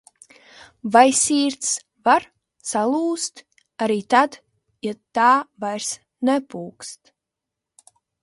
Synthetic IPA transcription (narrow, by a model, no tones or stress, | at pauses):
vajsʲiːɾt̪s | vaɾ | salˠuːst̪ | aɾiːt̪ad̪ | jat̪ːaːvajɾs | nɛpuːkst̪